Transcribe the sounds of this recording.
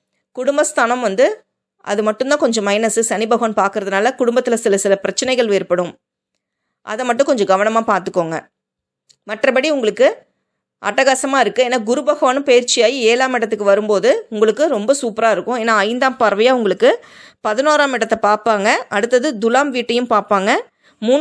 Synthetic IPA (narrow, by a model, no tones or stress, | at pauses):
kʊɽʊmbɐst̪ʰaːnɐmʋɐnd̪ɯ | ʔɐ̰ðɯmɐʈːʊnd̪ãːkɔɲd͡ʒɔ̃mːɐɪnɐsɯsɐnɪbɐɣoːnpaːɾkɯɾɐðɯnaːlɐkʊɽʊmbɐt̪ːɪlɐsɪlɐsɪlɐpɪɾɐt͡ʃːɐnɐɪɣɐɭɪːɾpɐɽɯ̃m | ʔɐ̰ðɐmɐʈːʊ̃kɔɲd͡ʒɔ̃ɡɐʋɐnɐmaːpaːɾt̪ɯkːoːŋɡɐ̰ | mɐʈrɐpɐɽiʊŋɡɐɭɯkːɯ | ʔɐ̰ʈːɐɣɐsɐmaːɪɾɯkːɯeːnːaːɡʊɾɯbɐɣoːnɯpejɪɾt͡ʃɪjaːjieːlaːmɪɽɐt̪̬ːɯkːɯʋɐɾɯmpoːðɯʊŋɡɐɭɯkːɯɾɔmbɐsuːpɾaːɪɾɯkːʊ̃eːnːaːɐɪnd̪aːmpɐɾʋɐjaːʊŋɡɐɭɯkːɯ | pɐðɪnoːɾaːmɪɽɐt̪ːɐpaːɾpaːŋɡɐɐɽɯt̪ːɐðɯd̪ʊlaːmʋiːʈːɐjɯmpaːɾpaːŋɡɐ | muː